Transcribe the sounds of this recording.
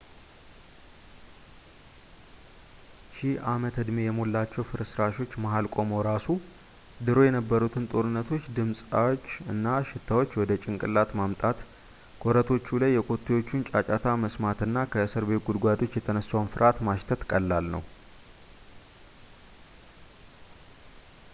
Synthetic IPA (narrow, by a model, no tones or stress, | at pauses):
ʃɪamət̪ɨd̪mejɛmolːat͡ʃːɛwfɨɾɨsɾaʃo̞t͡ʃːmaɦalkʼo̞mo̞ɾasu | d̪ɨɾo̞jɛnəbːəɾut̪ʰɨnt̪ʼo̞ɾɨnːət̪ʰo̞t͡ʃːd̪ɨmsʼawot͡ʃːɨnːaʃɪt̪ʰːawo̞t͡ʃːwɔd̪ət͡ʃʼɪŋkʼɨlːat̪mamt̪ʼat̪ | kʼoɾət̪ʰo̞t͡ʃːulajːɛkʼo̞t̪ʰːewo̞t͡ʃːunt͡ʃʼat͡ʃʼat̪ʰaməsmat̪ɨnːakʰəsɨɾbe̞t̪ɡud̪ɡʷad̪o̞t͡ʃːjɛt̪ʰənəsːawnfɨɾʔat̪maʃt̪ʰət̪kʼəlːalnə̰w